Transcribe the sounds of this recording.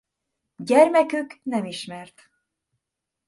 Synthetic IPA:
ɟɛrmɛkyknɛmiʃmɛrt̪

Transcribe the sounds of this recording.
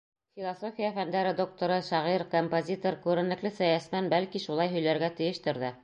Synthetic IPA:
fʲilˠosofʲijafænd̪æɾɘd̪o̞k̚t̪oɾɤʃɑʁiɾkompozʲit̪oɾkʉɾɘ̆nlɘ̆klɘsæjæsmænbælkiʃulˠɑjɦɵ̆jlæɾɡæt̪ɘ̆jɘ̆ʃt̪ɘ̆ɾðɘ

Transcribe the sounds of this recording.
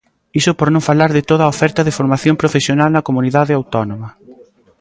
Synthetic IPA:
isʊpoɾnõɱfalaɾðɪt̪oðaofɛɾt̪ɐðɪfoɾmaθjompɾofesjonalnɐkomuniðaðɪawt̪ɔnomɐ

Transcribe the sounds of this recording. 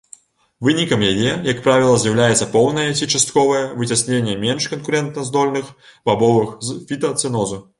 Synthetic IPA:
vɨnʲikɐmjajɛjɐkpɾavʲilˠɐzʲjɐwlʲajɛt̪sɐpɔwnɐjɛt͡sʲit͡ʂast̪kɔvɐjɛvɨt͡sʲasʲnʲenʲːɛmʲenʂkɐnkuɾɛnt̪̚nɐzd̪ɔlʲnɨxb̥abɔvɨxfʲit̪ɐt̪sɨnɔzu

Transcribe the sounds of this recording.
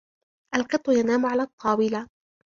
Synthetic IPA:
ʔalqɨt̪ˤːʊjanaːmʊʕalaːt̪ˤʰːɑːwɪla

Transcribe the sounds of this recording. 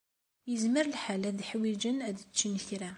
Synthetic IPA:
jəzməɾəlħalæðiħwid͡ʒənæðət͡ʃːinçɾa

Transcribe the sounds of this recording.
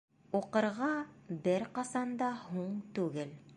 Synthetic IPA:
uqɤ̆ɾʁɑbɘɾqɑsɑnd̪ɑhuɴt̪ʉɡɘl

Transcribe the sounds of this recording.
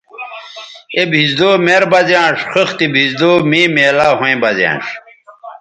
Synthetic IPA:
ebʱizd̪oːmeɾbɐzjãːʂxɐxt̪ibʱizd̪oːmiːmeːlaːɦõẽbɐzjã̰ːʂ

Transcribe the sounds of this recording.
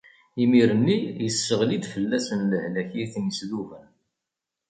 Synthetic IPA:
imiɾənːijəsːəʁlid̪fəlːæsənləhlæçiθənəsluvən

